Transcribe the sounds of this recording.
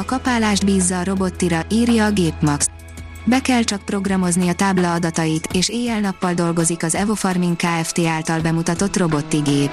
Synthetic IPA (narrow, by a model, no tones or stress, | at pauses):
ɒkɒpaːlaːʒd̪biːzːɒːɾo̞bo̞t̪ːiɾɒʔiːrjɒːɡeːpmɒks | bɛkɛlt͡ʃɒk̚pro̞ɡrɒmo̞zniɒt̪aːblɒːd̪ɒt̪ɒjit̪eːʃeːjɛlnɒpːɒld̪o̞lɡo̞zikɒzɛvo̞fɒrmiŋkaːɛft̪eːaːlt̪ɒlbɛmut̪ɒt̪o̞t̪ro̞bo̞t̪ːiɡeːp